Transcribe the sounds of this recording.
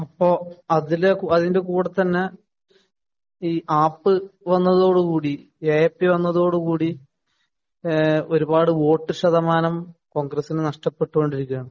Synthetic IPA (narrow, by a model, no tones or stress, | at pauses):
ɐpːoːɐðilekuɐðinde̞kuːɽɐt̪ːɐnːe̞ | iːʔaːpːɨʋɐnːɐðo̞ːɽukuːɽi | eepːiʋɐnːɐðo̞ːɽukuːɽi | o̞ɾubaːɽɨʋo̞ːʈːɨɕɐðɐmaːnɐmko̞ːŋɡrɐsːinɨnɐʂʈɐpːe̞ʈːuko̞ɳɖiɾikʲːuɐɳɐm